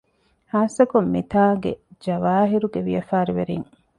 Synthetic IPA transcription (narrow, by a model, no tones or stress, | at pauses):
haːsɐkomːit̪aːɡḛd͡ʒɐʋaːɦiɾuɡeʋijɐfaːɾiʋeɾiŋ